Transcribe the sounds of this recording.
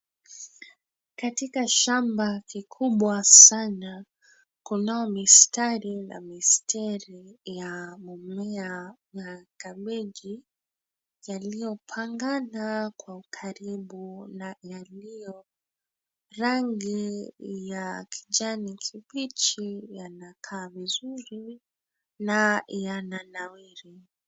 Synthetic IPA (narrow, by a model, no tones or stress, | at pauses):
katikaʃambakikʰuɓwasana | kunaɔmistaɾila̰mistʰɛɾijamɔmɛa | jakaɓɛʄi | jalijɔpʰaŋɡanakwaukʰaɾiɓunajalijɔ | ɾaŋɡijakʰi̥d͡ʒanikʰiɓit͡ʃijanakʰaːvizuɾi | najananawiɾi